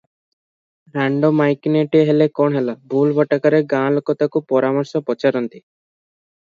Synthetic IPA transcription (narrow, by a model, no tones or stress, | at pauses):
ɾaɳɖomajkneʈieɦelekɔɳɦelabʱulbʱɔʈakaɾeɡãːlokɔt̪akupɔɾamɔɾsɔpɔt͡ʃaɾɔnt̪i